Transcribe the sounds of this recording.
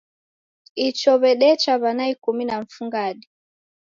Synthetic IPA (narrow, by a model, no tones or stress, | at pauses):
it͡ʃɔβɛɗɛt͡ʃaβanaikuminaɱ̩fuŋɡaɗi